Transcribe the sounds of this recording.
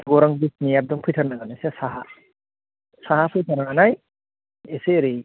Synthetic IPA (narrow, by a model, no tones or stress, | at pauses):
ɡɔɾaŋbisnijap̚dɔŋpʰɯjtʰaɾnaɡanasesaɦa | saɦapʰɯjtʰaɾnaŋanaj | eseɾɯj